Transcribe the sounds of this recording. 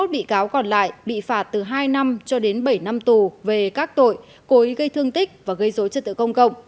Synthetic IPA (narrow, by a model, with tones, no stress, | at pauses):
o˦˥t̚ɓḭ˧˨kaː˨˦wkɔ˨˧˩nla̰ː˧˨jɓḭ˧˨faː˨˦˩t̚t̪ɨ˨˩ɦaː˧jna˧mt͡ɕɔ˧ɗe˨˦nɓə˧˩jna˧mt̪u˨˩ve˨˩kaː˦˥k̚t̪o̰˧˨j | ko˨˦i˨˦ɣə˧jt̪ʰɨ˧əŋt̪ï˦˥k̟̚vaː˨˩ɣə˧jzo˨˦t͡ɕə˧˩t̪ɨ̰˧˨kə˧wŋ͡mkə̰˧˨wŋ͡m